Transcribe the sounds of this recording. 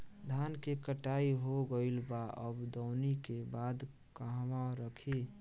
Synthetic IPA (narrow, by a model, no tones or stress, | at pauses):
d̪ʱankekəʈaiɦoɡəɪlbaəbd̪ɔʊnikebad̪ | kəɦʋaɾəkʰi